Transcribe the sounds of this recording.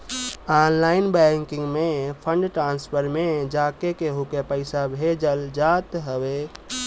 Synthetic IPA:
aːnlaːɪnbɛ̃ŋkɪ̃ŋɡmẽpʰə̃ɳɖʈɾãːnspʰəɾmẽd͡ʒaːkekeɦukepəɪsabʱeːd͡ʒəld͡ʒaːt̪ɦəwe

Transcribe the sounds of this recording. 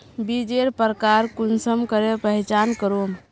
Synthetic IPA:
bid͡ʒeɾpəɾkaɾkunsəmkəɾepəɦit͡ʃankəɾom

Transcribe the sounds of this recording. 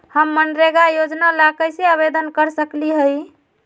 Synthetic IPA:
həmːənɾeɡajod͡ʒnalakəseəβed̪ənkəɾsəkliɦəj

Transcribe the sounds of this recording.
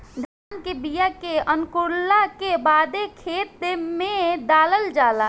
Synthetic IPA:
d͡ʒaːnkebijakeənkʊɾlakebaːd̪ekʰeːt̪emẽɖ̪aːləld͡ʒaːlaː

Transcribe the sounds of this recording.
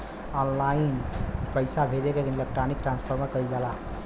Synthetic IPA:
ɔnlainpəɪsabʱeɾeked̪ʱinlek̚ʈɾanik̚ʈɾãnspʰəɾmekəild͡ʒala

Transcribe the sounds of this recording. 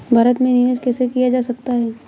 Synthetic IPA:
bʱaːɾət̪mẽnijoːzkɛːsekijad͡ʒaːsɐk̚t̪aɦɛː

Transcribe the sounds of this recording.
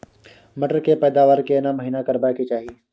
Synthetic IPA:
mɐʈəɾkepɛːd̪aːʋaːɾkenaməɦiːnakəɾbaːket͡ʃaːɦiː

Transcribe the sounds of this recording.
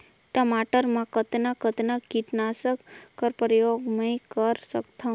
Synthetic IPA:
ʈəmaʈəɾmãkət̪nakət̪nakiʈnasəkːəɾpɾjoɡməjkəɾsəkt̪ʰa

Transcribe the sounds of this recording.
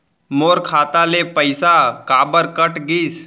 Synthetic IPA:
moːɾkʰaːt̪alepəɪsakaːbəɾkəʈɡis

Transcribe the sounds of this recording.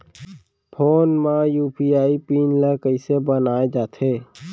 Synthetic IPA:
pʰoːnmãjuːpiaːipiːnləkəisebənaːed͡ʒaːt̪ʰeː

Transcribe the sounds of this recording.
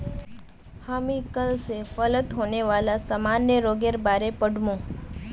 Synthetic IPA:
hamiːkəlsefələt̪ɦoɳeʋalasamanjəɾoɡeɾbaɾepəɽʱmõ

